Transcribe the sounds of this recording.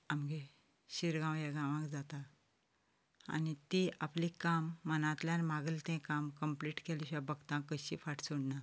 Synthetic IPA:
amɡe | ɕiɾɡãwjaɡãʋãkd͡zat̪a | a̰nit̪iʔaplikamːənãt̪ljãnmaɡəlt̪ẽkamkəmpliʈkeliɕjabəɡt̪ãkːəɕḭfaʈʰsuɽna

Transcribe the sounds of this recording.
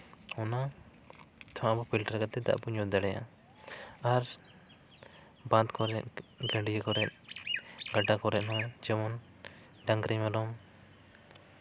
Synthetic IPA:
hɔna | t̪ʰɔ̃abɔpʰilʈaɾkat̪ɛd̪a̰ʔpuɲɔd̪aɽɛja̰ | aɾ | bãt̪kɔɾɛʔ̚ɡãɖijakɔɾɛt̪̚ | ɡaʈakɔɾɛʔ̪̚ˀnɔ̃d͡ʒɛmɔn | ɖãŋɡɾɛmɛlɔm

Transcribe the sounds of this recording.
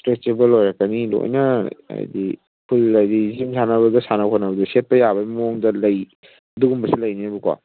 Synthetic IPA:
tɾet͡ʃebɐlojɾakɐnilo̰jnɐa̰jdi | pʰulːajdizimsanɐbɐdɐsanakʰɔnɐbɐdɐset̚pɐjabɐmoŋdɐlɐj | duɡumbɐsilɐjniɐbuka̰

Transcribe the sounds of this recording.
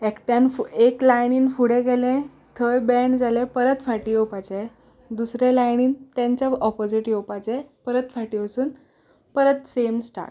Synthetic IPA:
ekʈjanfeklajniːnfuɽẽɡɛlẽ | t̪ʰəjbɛɳd͡zalepəɾət̪faʈiːjowpat͡se | d̪usɾelajñiːnt̪ãɲt͡ɕaɔpod͡ziʈjowpat͡sepəɾət̪faʈiːʋəsuːn | pəɾət̪semsʈa̰ʈ

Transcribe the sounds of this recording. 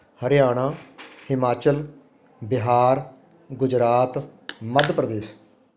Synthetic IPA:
həɾjaːɳ̃ãːhɪmaːt͡ʃəl | bɪɦaːɾ | ɡʊd͡ʒɾaːt̪məd̪pɾəd̪eːs

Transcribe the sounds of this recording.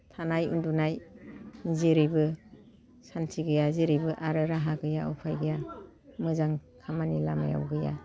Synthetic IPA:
tʰanajṵndunaj | ziɾibɯ | santʰiɡɯjaziɾibɯʔaɾɯɾaɦaɡɯjaʔɔpʰajɡɯja | mɯzaŋkʰamanilama̰ja̰wɡɯja̰

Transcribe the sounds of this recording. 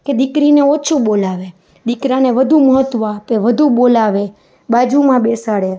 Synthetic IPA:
ked̪ɪkɾineɔt͡ʃʰũbolaʋe | d̪ikɾaneʋəd̪ʱuməɦət̪ʋapeʋəd̪ʱuɓolaʋe | bad͡ʒumãbesaɽe

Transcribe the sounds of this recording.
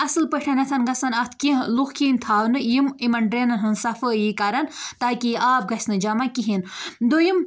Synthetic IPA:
ɐsɨlpəʈʰɐnɐt̪ʰɐnɡɐsɐnɐt̪ʰkiɦluxkʰiːnt̪ʰaːwnɨjimimɐɳɖɾenɐnɦɨnsɐfəjikɐɾɐnt̪aːkiaːp̚ɡɐsʲnɨd͡ʒɐmakiɦind̪ojim

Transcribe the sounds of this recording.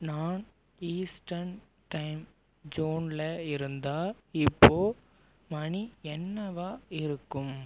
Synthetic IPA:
naːn | iːsʈɐɾn | ʈɐɪm | d͡ʒuːnlɐɪɾɯnd̪aːɪpːoː | mɐɳiɛnːɐʋaːɪɾɯkːɯm

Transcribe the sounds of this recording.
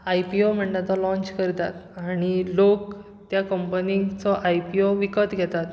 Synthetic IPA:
ajpiom̤əɳɖat̪ɔlɔ̃ɲt͡ɕkəɾt̪at̪aɽ̃ilok̚ | t̪jakəmpənĩt͡sɔʔajpioʋikət̪ɡʱɛt̪at̪

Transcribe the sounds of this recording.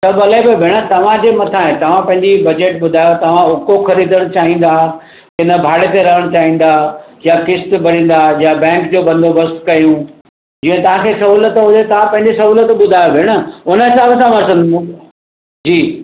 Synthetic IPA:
sɐbɐlebebʱɪɽ̃ə̆t̪ɐʋ̤ãd͡ʑeːmɐt̪ʰãɦẽt̪ɐʋ̤ãpɐ̃ɦɪ̃ɲd͡ʑibɐd͡ʑeʈɓʊd̪ʱaːjot̪ɐʋ̤ãʊkoxɐɾiːd̪ʱəɽ̃ʊ̆t͡ɕaːɦĩːn̆d̪aː | kɪnəbʱaːɽet̪eɾɐɦəɽ̃t͡ɕaːɦĩːn̆d̪aːjakɪst̪bɐɾ̤ĩːn̆d̪ajabɛ̃ːŋkd͡ʑoːbɐ̃nd̪ʱobɐst̪kɐjũ | d͡ʑiːə̃t̪ɐʋ̤ãkʰesɐɦuːlət̪ɦʊd̪et̪ɐʋ̤ãpɐ̃ɦɪ̃ɲd͡ʑisɐɦuːlət̪ɓʊd̪ʱaːjobʱɪɽ̃ə̆ʊnəɪsãʋɐt̪ʰãmɐɾsə̃nd̪ | d͡ʑiː

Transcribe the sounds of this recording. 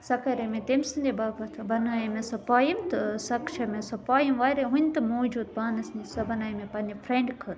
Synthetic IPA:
sɐkɐɾemẽt̪emsɨnd̪ebaːbɐt̪ʰɐbɐnaːjimẽsɐpaːjimt̪sɐkʃɐmẽsɐpaːjimʋaːɾeɦunʲt̪ɨmoːd͡ʒuːd̪̚baːnɐsnisɐbɐnaːjmẽpɐndipʰɾẽɳɖkʰɐɾ

